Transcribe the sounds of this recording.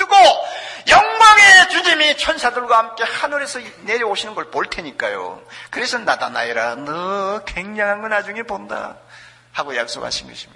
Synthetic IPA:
tɯɡojʌŋmaŋe̞t͡ɕuɲimit͡ɕʰʌnsʰadɯɭɡwahamk͈e̞hanuɾe̞sʰʌne̞ɾjʌoɕʰinɯnɡʌɭpoɭtʰe̞ɲik͈ajo̰kɯɾe̞sʰʌnːada̰na̰iɾanʌke̞ŋɲaŋɦanɡɯnad͡ʑuŋeponda̰ | haɡojak̚s͈o̰kha̰ɕʰinɡʌ̰ɕʰi̥mɲida

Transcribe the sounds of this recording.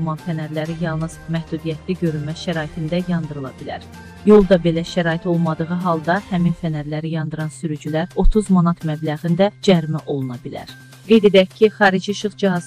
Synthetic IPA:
mɑnfænæɾlæɾijɑlˠnɯz̥mæhd̪ud̪ijæt̪ʰliɟø̞ɾylmæʃæɾɑːit̪ʰind̪æjɑnd̪ɯɾɯlˠɑ̰bilæ̰ɾ | jo̞lˠd̪ɑbe̞læʃæɾɑːit̪ʰo̞lˠmɑd̪ɯɣɯɦɑlˠd̪ɑhæminfænæɾlæɾijɑnd̪ɯɾɑnsyɾyd͡ʒylæɾo̞t̪ʰuzmɑnɑt̪ʰmæblæɣind̪æd͡ʒæɾimæʔo̞lˠunɑbilæ̰ɾ | ɡ̥e̞jd̪e̞d̪æcʰːiχɑːɾid͡ʒiʃɯχd͡ʒiɦɑz

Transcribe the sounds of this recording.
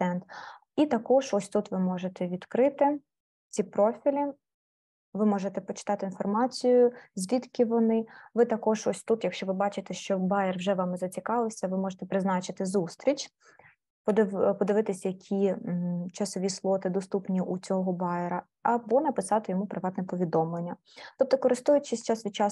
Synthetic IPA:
ɛnt̪ | it̪ɐkɔʒɔsʲt̪ut̪ʋɪmɔʒet̪ɛʋʲid̪kɾɪt̪ɪ | t͡sʲipɾɔfʲilʲi | ʋɪmɔʒet̪ɛpɔt͡ʃɪ̥t̪ɑt̪ɪinfɔrmɑt͡sʲijʊzʲʋʲit̪kʲɪʋɔnɪʋɪt̪ɐkɔʒɔsʲt̪ut̪jɐkʃt͡ʃɔʋɪbɑt͡ʃɪt̪ɛʃt͡ʃɔbɑjɛrwʒɛʋɑmɪzɐt͡sʲikɑʋɪsʲɐʋɪmɔʒet̪ɛpɾɪznɑt͡ʃɪt̪ɪzust̪ɾʲit͡ʃ | pɔd̪pɔd̪ɪʋɪt̪ɪsʲɐjɐkʲʰi | t͡ʃɐsɔʋʲislˠɔt̪ɪd̪ɔst̪upnʲiʔut͡sʲɔɦɦɔbɑjeɾɐ | ɐbɔnɐpɪsɑt̪ɪjɔmupɾɪʋɑt̪nɛpɔʋʲid̪ɔmlˠenʲːɐ | t̪ɔp̚t̪ɔkɔɾɪst̪ujʊt͡ʃɪsʲt͡ʃɑsʋʲit͡ʃɑ

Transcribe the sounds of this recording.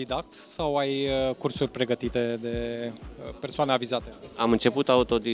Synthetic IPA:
d̪id̪ak̚t̪sawajkursurʲpɾe̞ɡət̪it̪e̞d̪e̞ | persoaneavizat̪e̞amɨnt͡ʃe̞put̪aut̪o̞d̪i

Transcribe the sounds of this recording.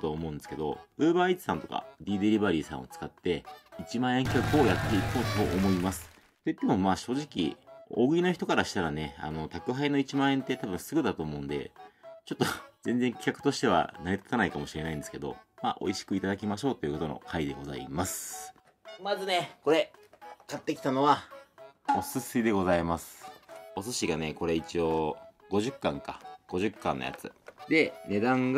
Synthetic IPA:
t̪oːmõ̞ɯ̃nd̪esɨ̥ke̞d̪o̞̰ɯ̟ːbaːit͡ɕi̥sãnt̪o̞ka̰d̪ʲiːd̪eɾʲibaɾʲiːsã̰ɰ̃o̞̰t͡sɨ̥kat̪ːe̞it͡ɕimãɰ̃ẽ̞ŋkʲkakɯo̞jat̪ːe̞iko̞ːt̪o̞ʔːmo̞imasɨ̥ | t̪o̞it̪ːe̞mo̞maːɕo̞ːʑikʲḭoɡɯ̟ino̞çi̥t̪o̞kaɾaɕi̥t̪aɾane̞a̰no̞t̪akɯ̟ɦaino̞it͡ɕimãɰ̃ẽ̞nt̪e̞t̪abɯ̟̃ɰ̃sɨɡɯ̟d̪at̪o̞ːmo̞ɯ̟̃nd̪e̞̰t͡ɕo̞t̪ːo̞zẽ̞nd͡zeŋkʲi̥kakɯ̟̥t̪o̞ɕi̥t̪e̞β̞a̰naɾet̪ḁt̪anaikamo̞ɕiɾe̞naĩnd̪eske̞d̪o̞̰maʔo̞̰iɕi̥kɯ̟it̪ad̪akʲimaɕo̞ːt̪o̞jɯ̟ko̞t̪o̞no̞̰kʰaid̪e̞ɡo̞za̰ḭmasɨ̥ | mazɨneko̞ɾe̞kat̪ːe̞kʲi̥t̪ano̞βa | o̞sɨsɨid̪e̞ɡo̞zaimasɨ̥o̞sɨɕiɡane̞ko̞ɾe̞it͡ɕioɡo̞ʑɨkːãŋkaɡ̥o̞ʑɨkːã̰nːoja̰t͡sɨ̰d̪e̞ne̞d̪ãŋɡ

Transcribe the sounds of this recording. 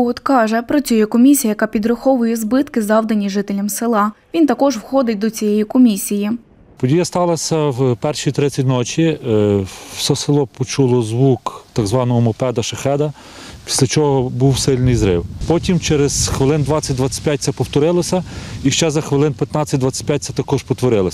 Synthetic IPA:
ɔt̪kɑʒɛpɾɔt͡sʲujɛkɔmʲisʲijɐjɐkɑpʲid̪ɾʊxɔʋʊjɛzbɪt̪kɪzɑwd̪ɐnʲiʒɪt̪elʲɐmsɪlˠɑʋʲint̪ɐkɔʒwxɔd̪ɪt̚ʲd̪ɔt͡sʲijɛjikɔmʲisʲiji | pɔdʲijɐst̪ɑlˠɐsʲɐwpɛrʃijt̪ɾɪt͡sʲːɐtʲnɔt͡ʃʲi | wsʲɛsɪlˠɔpɔt͡ʃulˠɔzʋukt̪ɐɡzʋɑnɔɦɔmɔpɛd̪ɐʃɐxɛd̪ɐ | pʲi̥sʲlʲɐt͡ʃɔɦɔbuwsɪlʲnɪjzɾɪ̰wpɔtʲimt͡ʃɛɾez̥xʋelˠɪnd̪ʋɑt͡sʲːɐt̚ʲd̪ʋɑt͡sʲːɐ̥tʲpʲjat̚ʲsʲɛpɔwt̪ɔɾɪlˠɐsʲɐiʃt͡ʃɛzɐxʋelˠɪnpʲjɐt̪nɑt͡sʲːɐt̚ʲd̪ʋɑt͡sʲːɐ̥t̚ʲpʲjat̚ʲt͡sʲɐt̪ɐkɔʒpɔt̪ʋɔɾɪlˠɐsʲ

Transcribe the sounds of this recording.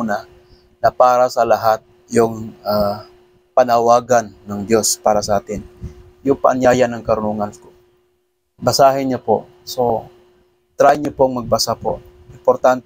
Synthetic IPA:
na | nɐpaːɾasɐlɐɦat̪̚ | jʊŋa | pɐnɐwaːɡanːɐŋd̪jospaːɾasɐʔaːt̪ɪn | jʊŋpɐ̰ʔanjaːjanɐŋkɐɾʊnuŋanko | bɐsaːɦɪɲapo̰ʔ | so | t̪ɾajɲapoɐŋmɐɡ̚basapo̰ʔ | ʔɪmpoɾt̪ant̪ɛ

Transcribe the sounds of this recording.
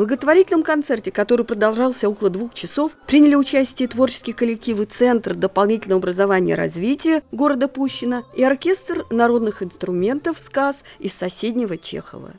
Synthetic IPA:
vblˠəɡət̪vɐɾʲitʲɪlʲnəmkɐnt̪sɛrtʲɪkɐt̪o̞ɾɨjpɾəd̪ɐlˠʐɑlˠsʲəokəlˠəd̪vuxt͡ɕɪso̞fpɾʲinʲɪlʲɪʊt͡ɕæsʲtʲɪjət̪vo̞rt͡ɕɪ̥skʲɪjkəlʲɪk̚tʲifɨt̪sɛnt̪rd̪əpɐlˠnʲitʲɪlʲnəvɐbɾəzɐvanʲɪjə̰ɾɐ̰zvʲitʲɪjəɡo̞ɾəd̪əpuɕːɪnəiɐrkʲe̞st̪rnɐɾo̞d̪nɨxɪnst̪ɾʊmʲe̞nt̪əfskasɪsːɐsʲedʲnʲɪvət͡ɕḛxə̰və̰

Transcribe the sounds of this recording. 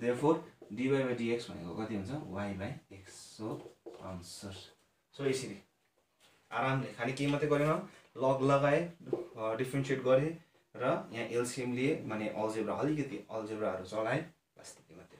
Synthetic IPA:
d̪erpʰorɖibajbaɖieksbʱʌ̰nḛkokʌt̪iɦunt͡sʰʌwajbajeksːoa̰nsʌr | soesiɾi | a̰ɾamlekʰanikemʌt̪ːeɡʌɾenʌlʌɡlʌɡae | ɖipʰɾenseʈɡʌɾe | rʌjãʔelsiemlemaneʔʌld͡zebɾaʌlikʌt̪iʌld͡zebɾaɦʌɾut͡sʌlae | bast̪i̥kemʌt̪ːe̥

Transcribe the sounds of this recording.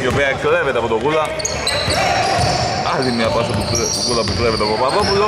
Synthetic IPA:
opiɐklevet̪eɐpot̪okulɐ | ɐlimːiɐpɐsɐpukukulɐpuklevet̪eɐpopɐðopulo

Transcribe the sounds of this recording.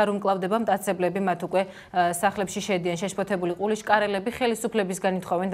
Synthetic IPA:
aɾumkʼlˠavd̪ɛbamt̪ʼat̪sʰɛblɛbimat̪ʰukʼwɛ | saχlɛpʃiʃɛd̪ianʃɛʃpʰɔt̪ʰɛbuliqʼuliʃkʼaɾɛlɛbiχɛlisupʰlɛbisɡanit̪χɔvɛnd̪

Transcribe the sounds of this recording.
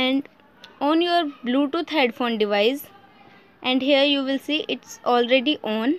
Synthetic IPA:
ɛ̃ɳɖ | ɔ̃ːnjuəɾbluːʈut̪ʰeːɖfõːnɖɪʋaɪz | ʔɛ̃ɳɖɦiəɾjuːʋɪlsiːʔɪʈsɔːlɾeɖiʔɔ̃ːn

